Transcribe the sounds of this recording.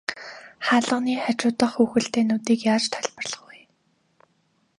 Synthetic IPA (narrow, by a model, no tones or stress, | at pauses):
χaːɮə̆niːχat͡ɕʊːt̪ə̆χuːxɘ̆ɬt̪eːnʊːt̪iːkjaːt͡ɕt̪ʰœɮʲpə̆rɮə̆χuj